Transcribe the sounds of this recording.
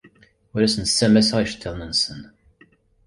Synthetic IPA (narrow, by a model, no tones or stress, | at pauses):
ʊɾæsənsːæmæsʁæjəʃt̪ʰːeʁnənsən